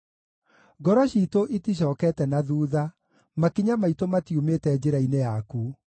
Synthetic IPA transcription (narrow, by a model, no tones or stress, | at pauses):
ɡɔɾɔɕiːtoʔitiɕ̬ɔːkɛtɛnaðuːða | makiɲamaitomatiumetɛːd͡ʑeɾainejaku